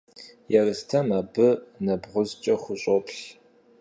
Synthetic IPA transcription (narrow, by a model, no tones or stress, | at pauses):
jɛrɨstʰɐmaːbɨnɐbʁʷʊzt͡ʃʼɐχʷʊɕʼopɬ